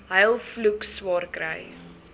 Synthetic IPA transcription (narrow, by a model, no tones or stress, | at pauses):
ɦɐjlˠflukswɑːrkɾə̰j